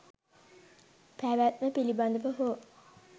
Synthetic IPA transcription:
pʰæʋæt̪̚məpiliband̪əpəɦo

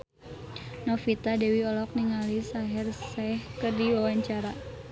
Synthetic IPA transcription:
nɔfit̪adɛwiɔlɔk̚niŋalisaɦɛrsahkərdiwawaɲt͡ʃaɾa

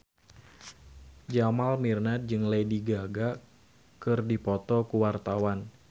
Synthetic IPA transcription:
d͡ʒamalmirnat̪̚d͡ʒɨŋlejdiɡaɡa | kɨrdipɔt̪ɔkuwart̪awan

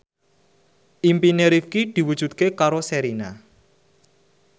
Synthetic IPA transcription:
ʔimpineɾifkid̪̥i̤wud̥ʒ̥ṳt̪̚kekaɾosɛɾina

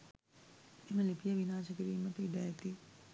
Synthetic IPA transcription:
eməlipijəʋinaːʃəkiɾiːmɐt̪əiɖæːt̪i

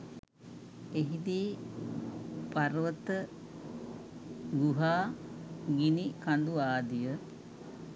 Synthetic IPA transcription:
eɦid̪iː | paɾʋət̪ə | ɡuɦaː | ɡinikand̪uaːd̪ijə

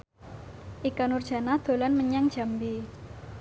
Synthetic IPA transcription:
ʔikanurd̥ʒ̥a̤nahd̪̥o̤lanməɲaŋd̥ʒ̥a̤mbi

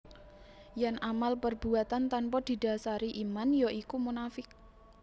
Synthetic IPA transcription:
janʔamalpərbuat̪ant̪anpɔd̪̥i̤da̤saɾiʔimanjoʔikumunafɪk̚

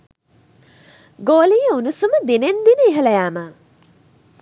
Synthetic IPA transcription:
ɡoːlijəunusuməd̪enend̪inəeɦəlɐjaːmə

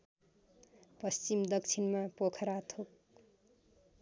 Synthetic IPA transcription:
pʌst͡simd̪ʌk̚t͡sʰinmapokʰʌɾat̪ʰok̚

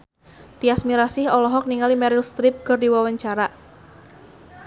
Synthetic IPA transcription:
t̪iasmiɾasɪhɔlɔɦɔk̚niŋalimɛɾilst̪ɾɪp̚kərdiwawaɲt͡ʃaɾa

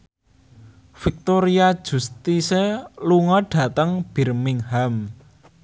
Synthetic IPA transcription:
fik̚t̪oɾiad̥ʒ̥ṳst̪iseluŋɔɖ̥ä̤t̪əŋb̥i̤rmɪŋham

